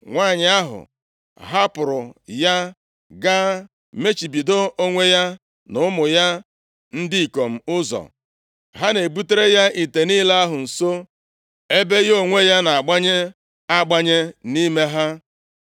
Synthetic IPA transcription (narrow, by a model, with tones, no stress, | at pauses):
ŋʷaː˦˨ɲɪ˨˦a˦ɦʊ̰˨ | ɦa˦pʊ˨ɾʊ˨ja˦ | ɡa˦ | me˦t͡ʃi˨bi˨do˦o˦ŋʷe˦ja˦ | nʊ˨˦mʊ˨ja˦ | n̩˦dɪ˦i˨ko˨m̩˨ʊ˦zɔ̰˨ | ɦa˦ne˨bu˦te˦ɾe˦ja˦ʔi˨te˨ni˦la˦a˦ɦʊ˨n̩˨so˦ | e˦be˦jo˦ŋʷe˦ja˦na˨a˨ɡ͡ba˦ɲe˦ | a˦ɡ͡ba˦ɲe˦ni˦me˦ɦa˦